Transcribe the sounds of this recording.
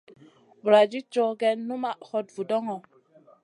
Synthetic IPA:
bɾa˨d͡ʒi˦t͡ʃɔ˦ɡɛ˦nu˦ma˦˨hɔ˦t̚vu˨dɔ˦ŋɔ˨

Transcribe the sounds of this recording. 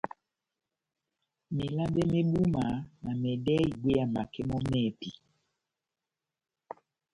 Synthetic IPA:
me˨la˦be˦me˦ɓu˦ma˨˦na˨mɛ˨dɛ˦i˨ɡ͡bwe˦a˨ma˨kɛ˦mɔ˦mɛ˦˨pi˨

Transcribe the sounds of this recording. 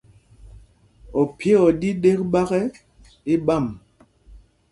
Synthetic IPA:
ɔ˨pʰje˦ɔ˨di˦ɗe˦k̚ɓa˦ɣɛ˦ | i˦ɓa˦˨m

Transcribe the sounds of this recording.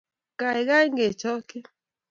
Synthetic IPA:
ka˨i˨ɣa˦i˦ŋɡe˨t͡ʃɔ˦kɪ˦

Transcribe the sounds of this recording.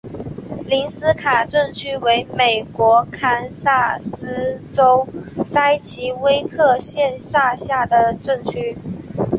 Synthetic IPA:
li˧˥nsɹ̩˥kʰa˨˩ʈ͡ʂɤ˥˩ŋt͡ɕʰy˥we˧˥ɪme˨˩ɪkwɔ˧˥kʰa˥nsa˥˩sɹ̩˥ʈ͡ʂo˥ʊsa˥ɪt͡ɕʰi˧˥we˥ɪkʰɤ˥˧ɕjɛ˥˧nʂa˥˧ɕja˥˩d̪ə˩ʈ͡ʂɤ˥˩ŋt͡ɕʰy˥

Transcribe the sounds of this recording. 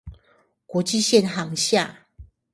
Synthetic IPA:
kwɔ˨˧˥t͡ɕi˥˧ɕjɛ˥˨nɦa˨˧˦ŋɕja˥˨

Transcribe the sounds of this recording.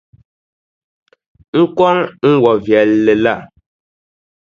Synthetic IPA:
ŋ̩˦kwɔ˦nŋ̩˦wɔ˨vjɛ˨lːɛ˨la˦˨

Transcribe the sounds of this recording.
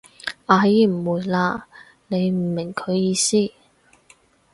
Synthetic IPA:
aː˧jiː˧˩m̩˨˩wuː˨˩jlaː˧ | ne˨˧jm̩˨˩mɪ˨˩ŋkʰɵ˨˧ɥjiː˧siː˥

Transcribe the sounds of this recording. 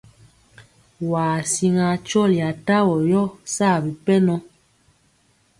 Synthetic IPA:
waː˨si˦ŋa˨t͡ʃɔ˦˨lja˨ta˦wɔ˨jɔ˦saː˦˨bi˨pɛ˦nɔ˦

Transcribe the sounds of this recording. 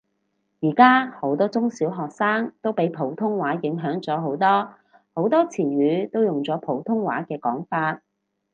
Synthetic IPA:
jiː˨˩kaː˥ho˨˥wt̪ɔː˥t͡sʊ˥ŋsiː˨˥wɦɔː˨k̚saː˥ŋt̪o˥wpe˨˥jpʰo˨˥wt̪ʰʊ˥ŋwaː˨˥jɪ˨˥ŋɦœː˨˥ŋt͡sɔː˨˥ɦo˨˥wt̪ɔː˥ | ho˨˥wt̪ɔː˥t͡sʰiː˨˩ɥyː˨˥t̪o˥wjʊ˨ŋt͡sɔː˨˥pʰo˨˧˥wt̪ʰʊ˥ŋwa̰ː˨˥kɛː˧kɔː˨˥ŋfaː˧t̚

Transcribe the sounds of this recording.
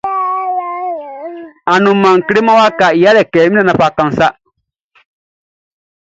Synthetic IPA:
a˨nũ˨mːã˨ŋ˨ki˨˦ɾe˦mã˦wa˦ka˨i˨ja˦lɛ˨kɛː˨mĩ˦a˨nã˨fa˨kã˨n˨sa˦

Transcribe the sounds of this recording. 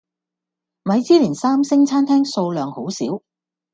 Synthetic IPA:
mɐ˨˧jt͡siː˥liː˨˩nsaː˥msɪ˥ŋt͡sʰaː˥nt̪ʰɛː˥ŋso˧wlœː˨˧ŋho˨˥wsḭ˨˥w

